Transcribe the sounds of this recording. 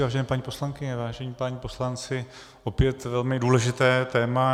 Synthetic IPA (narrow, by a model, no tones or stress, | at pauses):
vaːʒɛnɛːpaɲiːpo̞slaŋkɪɲɛvaːʒɛɲiːpaɲipo̞slant͡sɪ | ʔo̞pjɛt̪vɛlmɪduːlɛʒɪt̪ɛːt̪ɛːma